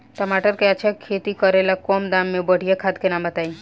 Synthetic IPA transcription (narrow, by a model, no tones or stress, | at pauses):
ʈəmaʈəɾkeat͡ʃʰakʰːet̪ikəɾelakɔmd̪amːẽbəɽ̤ijakʰad̪kenamət̪ai